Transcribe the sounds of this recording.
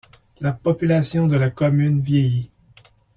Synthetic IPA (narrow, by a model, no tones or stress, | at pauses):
lapɔpylasjɔ̃d̪əlakɔmynvjeji